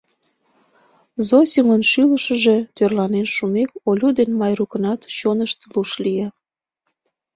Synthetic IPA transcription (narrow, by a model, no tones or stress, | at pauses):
zosʲimənʃyləʃəʒet̪ørlɑnenʃumekolʲud̪enmɑjrukənɑt̪t͡ɕonəʃt̪luʃlije